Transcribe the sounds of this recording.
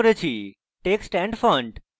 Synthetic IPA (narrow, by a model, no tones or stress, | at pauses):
ɾet͡ʃʰi | ʈeːksʈɛ̃ɳɖfə̃ɳɖ